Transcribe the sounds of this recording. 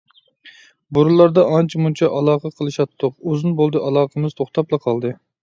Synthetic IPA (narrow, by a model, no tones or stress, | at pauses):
buɾulˠɑɾd̪ɑɑnt͡ʃʰimunt͡ʃʰɑʔɑlˠɑːqəqʰəlˠɨʃɑt̪ʰːʊqozɨnbolˠd̪ɨʔɑlˠɑːqəmɨz̥t̪ʰoχt̪ʰɑplˠɨqʰɑlˠd̪ɨ